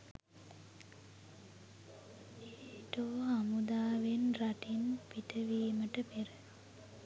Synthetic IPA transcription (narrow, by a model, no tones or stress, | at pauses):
eːʈoːamud̪aːʋenraʈinpiʈəʋiːməʈəpeɾə